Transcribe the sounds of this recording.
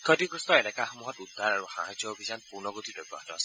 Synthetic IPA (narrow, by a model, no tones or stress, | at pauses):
kʰɔdiɡɹustɔɛlɛkaxɔmuɦɔtudʱːaɹaɹuxa̰ɦajzjɔobʱizanpuɹnɔɡotidɔbɔ̰ɦatɔas